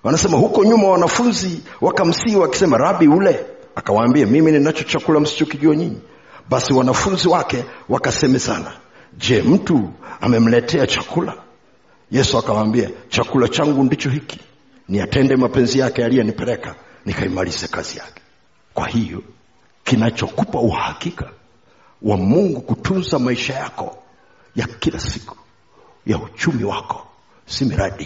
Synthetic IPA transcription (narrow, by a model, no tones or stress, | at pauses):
anasɛmahukɔɲumawanafunziwakam̩siwaki̥sɛmaɾaɓiulɛ | akawaːmbiamimininat͡ʃɔt͡ʃakulam̩si̥t͡ʃɔkiʄuaɲiɲi | ɓasiwanafunziwakɛwakasɛmɛsa̰na̰ | d͡ʒɛm̩tua̰mɛm̩lɛtʰɛat͡ʃakula | jɛsuakawaːmbiat͡ʃakulat͡ʃaŋɡundit͡ʃɔɦiki̥ | niatɛndɛmapɛnzijakɛalijɔnipɛlɛka | nikaimalizakazija̰kɛ̥ | kwa̰hijɔ | kinat͡ʃɔkupauhahakika | wamuŋɡukutʰunzamaiʃajakɔ̰ | jakilasi̥ku̥ | jaut͡ʃumiwa̰kɔ̥ | simiɾʔaɗi